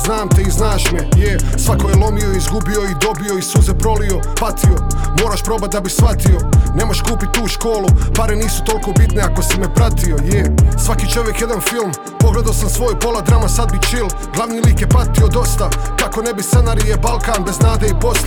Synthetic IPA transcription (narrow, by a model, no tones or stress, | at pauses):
znaːmt̪eiznaːʃmejesʋako̞jelˠo̞mioizɡubio̞id̪o̞bio̞isuzepɾo̞lio̞ | pat̪ʰio̞mo̞ːɾaʃpɾo̞bat̪̚d̪abisʋat̪io̞ne̞mo̞ʃkuːpit̪̚ʲt̪ːuːʃko̞ːlupaɾeniːsu̥t̪o̞lko̞bit̪ne̞ako̞simepɾat̪io̞jesʋakiːt͡ʃo̞ʋjekjed̪anfilˠm | poɡled̪aosamsʋo̞ːjpo̞lˠad̪ɾamasad̪̚bit͡ʃil | ɡlˠaʋniːliːkjepat̪io̞d̪o̞st̪akako̞ne̞bisenaɾijebalˠkaːnbe̞znaːd̪eipo̞s